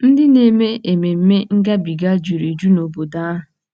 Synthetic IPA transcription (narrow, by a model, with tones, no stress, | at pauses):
n̩˦dɪ˦ne˨me˦ʔe˨me˨m̩˦me˦ŋ̩˦ɡa˦bi˨ɡa˦d͡ʒu˨ɾe˨d͡ʒu˦no˨bo˨da˦ɦʊ˨